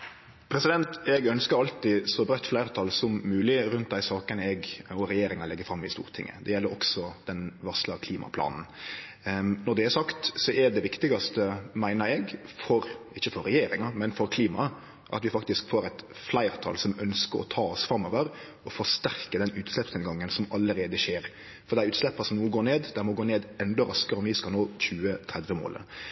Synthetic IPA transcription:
pʰɾɛsɪd̪ɛnt̪ɛɡœnskəɾɑlt̪ɪsɔbɾœt̪ːflæɪɾt̪ʰɑlsɔmːʉːlɪɾʉnt̪̚d̪æɪsɑːkənəɛɡɔɾɛjeːɾɪŋɑlɛɡːəfɾɑmːɪst̪ṵːɾt̪ʰɪ̰ŋːə̰d̪ɛjɛlːəɾɔksɔd̪̥ɛnʋɑslɑkʰliːmɑ̰pʰlɑ̰ːnn̩ | nɔɖ̪ɛːɾsɑkt̪sɔʔɛɖ̪ɛʋɪkt̪ɪɡɑst̪əmæɪnəɾɛɡfɔɾɪçːəfɔɾɛjeːɾɪŋɑmɛnfɔɾkʰliːmɑ | ʔɑ̰t̪ʋɪfɑkt̪ɪskfoːɾɛɪt̪ | flæɪɾt̪ʰɑ̰lsɔmœnskəɾɔ̰t̪ʰɑːɔsfɾɑmːɔʋəɾ | ɔfɔʂt̪æɾkəd̪ɛnʉːt̪slɛpsneːd̪ɡɑŋːənsɔmɑlːəɾeːd̪əʃeːɾ | fɔɾd̪ɛæɾʉːt̪slɛpːɑsɔmnuːəɡoːneːd̪d̪ɛmɔɡoːneːd̪ɛnd̪ɔɾɑskəɾəɔmʋɪskɑlnoːçʉːət̪ʰɾɛd̪ʋəmo̰ːl

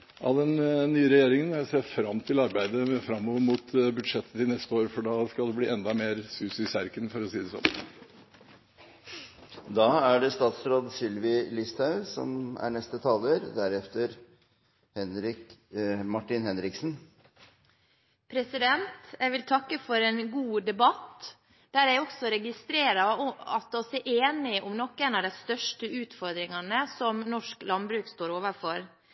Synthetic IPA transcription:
ʔɑ̰d̪ɛnːyːəɾɛjeːɾɪŋənæseːɾfɾɑmːt̪ʰɪlɑɾbæɪd̪əfɾɑmːɔʋɾmuːt̪ʰbʉd̪ʂɛt̪ʰːəɪnɛst̪əoːɾfɔɖɑskɑld̪ɛbliːɛnd̪ɑmeːɾsʉːsɪsæɾkənfɔɾɔsiːd̪ɛsɔ̰m | d̪ɑːæɖɛst̪ɑːt̪sɾoːd̪sɪlʋɪlɪst̪ʰɑʉsɔ̰mæ̰ɳɛst̪ət̪ʰɑːləɾd̪æɾɛft̪əɾ | hɛnɾɪ | mɑʈɪnhɛnɾɪksn | pʰɾɛsɪd̪ɛnt̪jæʋɪlt̪ʰɑkːəfɔɾenɡuːd̪ɛbɑt̪ | d̪̥æɾjæɪɔksɔɾɛɡɪst̪ɾeːɾɑɔɑt̪ɔsɛʔeːnɪʔʊmnɔkːeːnɑʋd̪æɪst̪œʂʈəʉːt̪fɔɾd̪ɾɪŋɑnəsɔmnɔʂklɑnbɾʉːkst̪oːɾoːʋəɾfɔɾ

